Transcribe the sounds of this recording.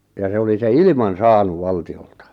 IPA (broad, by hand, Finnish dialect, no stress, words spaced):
jɑ se oli se ilĭmɑn̞ sɑːnuʋ ʋɑltioltɑ